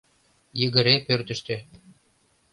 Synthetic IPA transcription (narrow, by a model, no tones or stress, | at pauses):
jə̆ɣɘ̆ɾepørt̪ə̆ʃt̪ĕ